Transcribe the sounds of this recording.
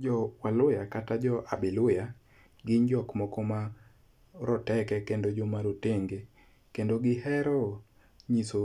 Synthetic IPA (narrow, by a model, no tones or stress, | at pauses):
d͡ʒɔwalʊjakatad͡ʒɔʔa̰bɪlʊja | ɡɪɲd͡ʒɔkmɔkɔma | ɾɔtɛkɛkendod͡ʒomaɾoteŋɡe | kendoɡɪhɛɾɔ | ɲiso